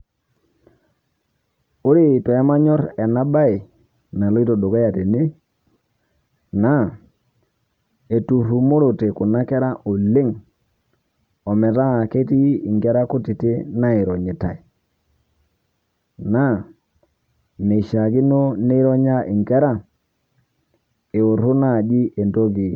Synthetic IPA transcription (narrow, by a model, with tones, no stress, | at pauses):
o˦ɾi˦˨pɛ˨˦ma˦ɲɔ˦ɾɛ˨na˦ba˦i˨ | na˨lɔ˦i˦to˨do˨ka˦ja˨te˨ne˦ | na˦˨ | e˨tu˨ɾu˨mo˦ɾo˨te˨ku˨na˦kɛ˦ɾa˦ʔo˨le˦ŋ | ɔ˨mɛ˨ta˦˨ke˦ti˦i˨ŋɡɛ˦ɾa˦ko˦ti˨te˦na˦i˨ɾɔ˨ɲe˨ta̰˨i˨ | na˦˨ | ne˨ʃa˨ɡi˦no˦ne˦i˦ɾɔ˦ɲa˦ʔi˨ŋɡɛ˦ɾa˦ | e˨o˨ɾo˦na˦˨d͡ʒi˦ʔe˨ndo˦ɡi˨